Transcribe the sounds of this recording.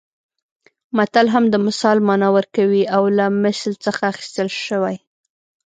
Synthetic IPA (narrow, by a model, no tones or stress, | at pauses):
mat̪alɦamd̪əmʊsɑlmɑnɑwəɾkawiawlamɪslt͡səxaːxi̥st̪əlʃəwaj